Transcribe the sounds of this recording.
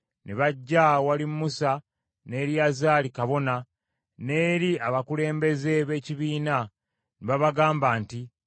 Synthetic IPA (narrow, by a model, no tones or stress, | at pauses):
neβaɟːawalimmːusa | ne̞ːɾjazaːlikaβo̞na | ne̞ːɾiaβakule̞ːmbe̞ze̞βe̞ːciβiːna | niβaβaɡaːmbaːnti